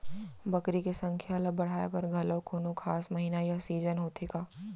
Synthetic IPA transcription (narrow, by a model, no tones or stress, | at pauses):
bɐkɾikesɐ̃ŋkʰjaləbɐɽ̤aːepɐɾɡʱɐləʋkʰoːnokʰaːsmɐɦiːnajasiːd͡ʒənɦoːt̪ekaː